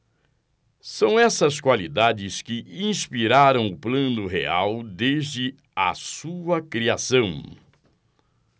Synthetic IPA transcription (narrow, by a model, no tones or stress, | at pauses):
sɐ̃w̃ɛsɐskwalid̪ad͡ʒɪskɪĩspiɾaɾɐ̃w̃ʊplɐ̃nd̪ʊɦḛa̰wd̪ezd͡ʒɪ | ɐ̰suɐkɾiasɐ̃w̃